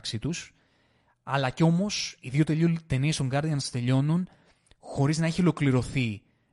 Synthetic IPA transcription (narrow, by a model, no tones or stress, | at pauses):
ksit̪us | ɐlɐceo̞mo̞siðjio̞t̪eʎut̪e̞niest̪o̞ŋɡɐɾðiɐnst̪e̞ʎo̞nun | xo̞ɾiznɐe̞çio̞lo̞kliɾo̞θi